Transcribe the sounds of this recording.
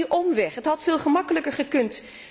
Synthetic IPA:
ʔɔmʋɛχɦətɦɑtfɪːlˠχəmɑkələkəɹχəkɵnt

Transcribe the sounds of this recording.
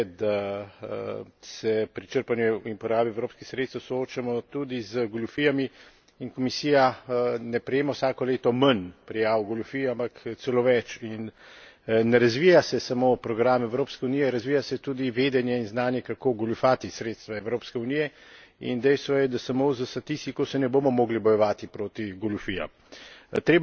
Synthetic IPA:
d̪a | sɛpɾit͡ʃəɾpanjuinpɔɾaːbiɛwɾoːpskixsɾeːt̪t̪ɛwsooːt͡ʃamɔt̪ud̪izəɡɔlufiːjami | inkɔmisiːjanɛpɾɛjeːmɔwsaːkɔleːt̪ɔmənpɾijaːwɡɔlʲufiampakt̪sɛloːʋɛt͡ʃinː | ɛɾazʋijasɛsamoːpɾɔɡɾamɛwɾoːpskɛuniːjɛɾazʋiːjasɛt̪uːd̪iʋeːd̪ɛnjɛinznaːnjɛkakoːɡɔlufaːt̪isɾeːt̪st̪ʋaɛwɾoːpskɛuniːjɛḭnd̪ɛjst̪ʋɔjɛd̪asamozəst̪at̪ist̪ikosɛnɛbomɔmoːɡlibɔjɛʋaːt̪ipɾoːt̪iɡɔlufija̰m | t̪ɾeːb

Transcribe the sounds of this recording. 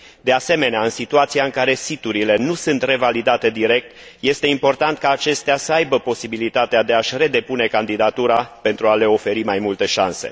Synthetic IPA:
d̪e̞ase̞me̞neaɨnsit̪uat̪siaɨŋkaɾe̞sit̪uɾile̞nusɨnt̪re̞valid̪at̪e̞d̪iɾe̞k̚t̪ | je̞st̪e̞impo̞rt̪ant̪̚kaːt͡ʃe̞st̪easəajbəpo̞sibilit̪at̪ead̪e̞aʃʲre̞d̪e̞pune̞kand̪id̪at̪uɾape̞nt̪ɾuale̞o̞fe̞ɾimajmult̪e̞ʃa̰nse̞̰

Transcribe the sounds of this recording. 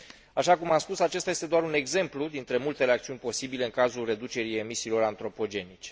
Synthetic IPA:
aʃakumamspusat͡ʃest̪ajest̪e̞d̪oaɾune̞ɡze̞mplud̪int̪ɾe̞mult̪e̞ɾeakt̪siunʲpo̞sibile̞ɨŋkazulre̞d̪ut͡ʃe̞ɾie̞misiːlo̞ɾant̪ɾo̞po̞d͡ʒe̞nit͡ʃe

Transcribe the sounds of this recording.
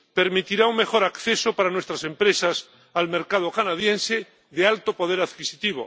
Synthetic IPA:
pe̞ɾmit̪iɾauŋme̞xo̞ɾakθesopaɾanwe̞st̪ɾase̞mpɾe̞sas | alme̞ɾkað̞o̞kanaðjẽ̞nse | ðealt̪opo̞ð̞eɾaðkisit̪iβ̞o̰

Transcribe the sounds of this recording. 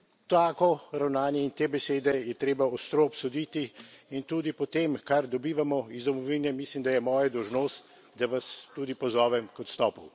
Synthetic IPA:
t̪aːkɔɾawnaːnjɛint̪eːbɛseːd̪ɛjɛt̪ɾeːbaɔst̪ɾopsod̪it̪iːnt̪uːd̪ipɔt̪eːmkaɾd̪ɔbiːʋamɔizd̪ɔmɔʋiːnɛmislimd̪ajɛmɔːjɛd̪ɔwʒnoːst̪ | d̪aʋast̪uːd̪ipɔzɔːʋɛmkɔt̪st̪ɔːpɔw

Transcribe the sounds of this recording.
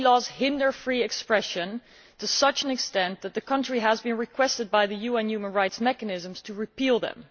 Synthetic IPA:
lɔzhɪ̃ndə˞fɹiɨkspɹɛʃɨ̃n | tʰɨsʌt͡ʃɨ̃nɨkstɛ̃nðɨt̪̚ðɨkʰʌ̃nt͡ʃɹ̥iəzbɨ̃nɹɨkʰw̥ɛstɨd̚baɪðɨjʉɛ̃njʉmə̃nɹaɪtsmɛkɨnɪzə̃mz̥tʰɨɹɨpʰilˠðə̰̃m

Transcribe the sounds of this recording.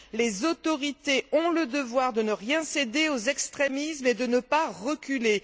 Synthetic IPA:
lezot̪ɔʁit̪eɔ̃ləd̪əvwaʁd̪ənəʁjɛ̃sed̪eozɛkst̪χemismed̪ənəpaʁəkʲyle

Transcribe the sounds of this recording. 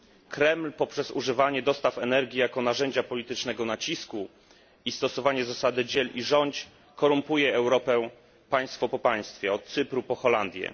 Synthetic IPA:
kɾɛmlpɔpʂɛzuʐɘvaɲɛd̪ɔst̪afɛnɛɾɡʲjijakɔn̪aʐɛɲd͡ʑapɔlʲit̪ɘt͡ʂnɛɡɔnat͡ɕisku | ist̪ɔsɔvaɲɛzasad̪ɘd͡ʑɛliʐɔɲt͡ɕ | kɔɾumpujɛɛwɾɔpɛ | paj̃st̪fɔpɔpaj̃st̪fʲjɛɔt̪̚sɘpɾupɔxɔland̪ʲjɛ̰

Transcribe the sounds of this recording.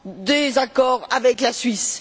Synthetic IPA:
d̪ezakɔʁavɛklasɥis

